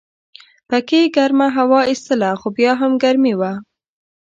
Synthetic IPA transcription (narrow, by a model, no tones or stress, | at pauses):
pakeɡaɾmaɦawɑist̪əlaxobjɑɦamɡaɾmiwa